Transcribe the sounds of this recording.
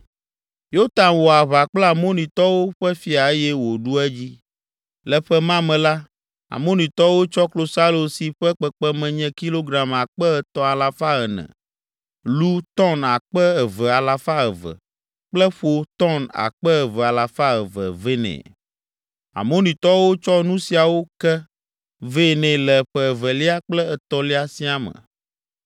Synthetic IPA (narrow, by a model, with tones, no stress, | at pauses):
jo˦t̪a˨nwo˨a˨βa˨k͡plɛ˦a˨mõ˦nĩ˨t̪ɔ˦wo˦ɸɛ˦fi˦a˨e˦jɛ˦wo˨ɖu˦ɛ˦d͡ʑi˦ | lɛ˦ɸɛ˦mã˦mɛ̃˨la˦ | a̰˨mõ˦nĩ˨t̪ɔ˦wo˦t͡ʃɔ˦klo˦sa˦lo˨si˨ɸɛ˦k͡pɛ˦k͡pɛ˦mɛ̃˨ɲɛ̃˦ki˦lo˦ɡɾa˨ma˨k͡pɛ˦˨t̪ɔ˦a˨la˨fa˦ə˨nɛ̰̃˨ | lu˦t̪ɔ˦na˨k͡pɛ˦ə˨və˨a˨la˨fa˦ə˨və̰˨ | k͡plɛ˦ɸo˦t̪ɔ˦na̰˨k͡pɛ˦ə˨vɛ˨a˨la˨fa˦ə˨və̰˨ve˦nɛ̰̃˨ | a̰˨mõ˦nĩ˨t̪ɔ˦wo˦t͡ʃɔ˦nũ˦si˨a˨wo˦kɛ˦ | ve˦˨nɛ̃˨lɛ˨ɸɛ˦ɛ˨və˨li˦a˦k͡plɛ˦ɛ˨t̪ɔ˦li˦a˨si˦a˦mə̰̃˨